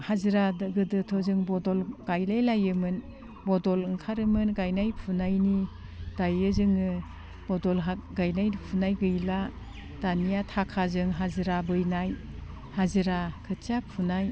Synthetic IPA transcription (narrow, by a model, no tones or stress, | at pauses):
hazɯɾadɯɡɯdɯtʰɔzɯŋbɔdɔlɡ̥ajlajlajɯmɯn | bɔdɔlɯŋkʰaɾɯmɯnɡajnajpʰunajni | d̥ajɯzɯŋɯ | b̥ɔdɔlɦaɡajnajpʰunajɡɯjla | d̥anijatʰakʰazɯŋɦazɯɾabɯjnaj | hazɯɾakʰɯt͡ʃapʰunaj